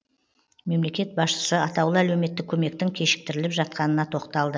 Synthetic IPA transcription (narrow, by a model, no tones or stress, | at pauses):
me̞mle̞kʲe̞t̪̚bɑsʃə̥səɑt̪ɑwlˠəælewme̞t̪ːɪkʲʰːɵme̞k̚t̪ɪŋkʲʰe̞ʃɪ̥k̚t̪ɪɾɪlɪpʒɑt̪̚qɑnənɑt̪ʰo̞qt̪ɑlˠd̪ə